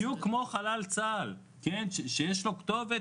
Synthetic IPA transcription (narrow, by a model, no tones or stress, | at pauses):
jukːmo̞χalalt͡sal | kenʃeʃejeʃlo̞kt̪ove